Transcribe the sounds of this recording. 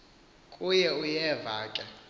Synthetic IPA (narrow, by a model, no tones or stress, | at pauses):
kʼujɛujɛvaːkʼa